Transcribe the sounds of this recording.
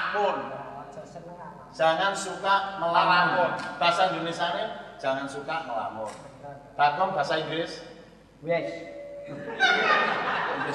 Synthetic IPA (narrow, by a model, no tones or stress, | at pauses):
pʊn | d̥ʒ̥a̤ŋansukaʔməlaamɔnb̥a̤sand̪unesaned̥ʒ̥a̤ŋansukaʔməla̰mɔn | b̥a̤kɔŋb̥a̤saiŋɡlɪs